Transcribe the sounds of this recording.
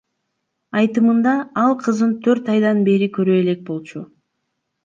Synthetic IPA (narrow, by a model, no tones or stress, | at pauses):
ɑjt̪ɯmɯnd̪ɑɑlˠqʰɯzɯnt̪ʰø̞ɾt̪ɑjd̪ɑnbe̞ɾikø̞ɾøe̞le̞k̚bo̞lˠt͡ʃu